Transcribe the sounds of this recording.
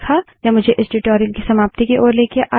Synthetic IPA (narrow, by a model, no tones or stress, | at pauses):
kʰajamʊd͡ʒʱeʔɪsɖɪʈoːɾijəlkisɐmaːp̚t̪ikeʔoːɾleːkeʔaː